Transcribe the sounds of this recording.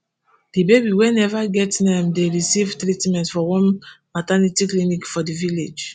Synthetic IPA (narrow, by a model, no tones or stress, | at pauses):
d̥ibebiwɛnɛvaɡɛtnɛmdeɹisivtɾitmɛ̃ntfɔwɔ̃nmatanitiklimikfɔdiviled͡ʒ